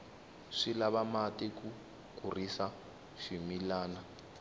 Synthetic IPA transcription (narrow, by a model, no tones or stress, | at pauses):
ʂilaβamatʼɛku | kʼurisa | ʂimilaːna